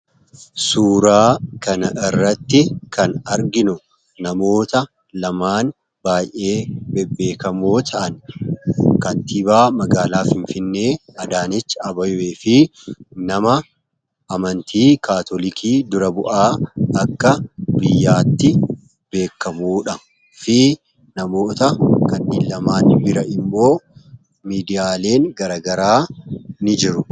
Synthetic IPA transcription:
suːɾaːkɐnɐʔɪrːɐt̪ːɪkʰɐnɐɾɡɪnʊ | nɐmo̞ːt̪ɐ | lɐmaːn | baːjʔe̞ːbɛbːe̞ːkɐmoːt̪ʰɐʔɐn | kɐnt̪ɪbaːmɐɡaːlaːfɪɱfɪnːe̞ːɐd̪aːnɪt͡ʃːɐbɐjwe̞ːfɪnɐmɐ | ʔːmɐnt̪ʰiːkaːt̪ɔlɪkʰiːd̪ʊɾɐbʊʔaːɐkːɐbɪjːaːt̪ːɪ | be̞ːkːɐmuːᶑɐ | fɪ | nɐmo̞ːt̪ɐkɐnːiːlːɐmaːnbɪɾɐʔɪmːo̞ː | miːd̪ɪjaːle̞ːŋɡɐɾaːɡɐɾaːnɪd͡ʒɪɾʊ

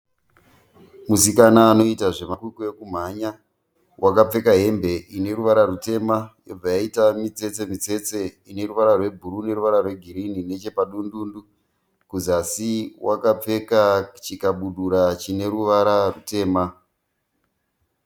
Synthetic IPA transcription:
musikanaːno̞itaʐe̞makwikuekum̤aɲa | wʔakap͡fe̞kaɦe̞mbe̞ʔine̞ɾuʋaɾarute̞majob͡vajaitamit͡se̞t͡se̞mit͡se̞t͡se̞ine̞ruʋaɾarwe̞bʱuɾune̞ɾuʋaɾarwe̞ɡʱiɾinine̞t͡ʃe̞paɗunduːndu | kuzasiwakap͡fe̞kat͡ʃikaɓuɗuɾat͡ʃine̞ɾuʋaɾarute̞ːma

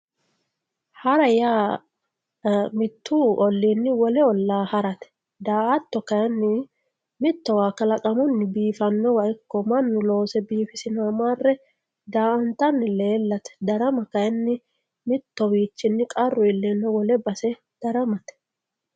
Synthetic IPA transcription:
hɐɾɐjaː | mɪt̪ːuːʔɔlːiːnːɪwɔlɛɔlːaːhɐɾɐt̪ɛ̥ | d̪aːʔɐt̪ːɔkɐjɐnːɪ | mɪt̪ːɔwaːkɐlɐkʼɐmʊnːɪbiːfɐnːɔwɐʔɪkːɔmɐnːʊlo̞ːsɛbiːfɪsɪnaːmaːrːɛ | d̪aːʔɐnt̪ɐnːɪle̞ːlːɐt̪ɛ̥d̪ɐɾɐmɐkɐjɛnːɪ | mɪt̪ːɔwiːt͡ʃːɪnːɪkʼɐrːʊɪlːɛnːɔwɔlɛbɐsɛ | d̪̥ɐɾɐmɐt̪ɛ̥

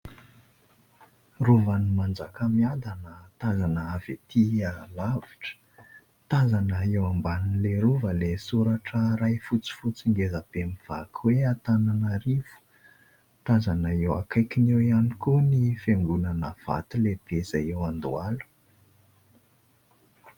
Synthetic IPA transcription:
ruvanimand͡zakəmiad̪anət̪azanəavet̪ʰialaviʈ͡ʂə̥ | t̪azanəewambannleɾuvəlesuɾaʈ͡ʂəɾajfut͡si̥fut͡siŋɡezab̥emiv̥a̰kʰweat̪ananaɾiv̥u̥ | t̪azanaewakajkinewianikunifeŋɡunənəv̥a̰t̪ileb̥ezajewand̪ualu̥

